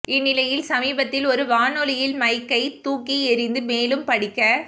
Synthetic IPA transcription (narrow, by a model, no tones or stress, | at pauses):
ɪnːɪlɐjɪlsɐmiːbɐt̪ːɪlɔɾɯʋaːnɔlɪjɪlmɐɪkːɐɪt̪uːkːiɛɾɪnd̪ɯmeːlɯmpɐɽɪkːɐ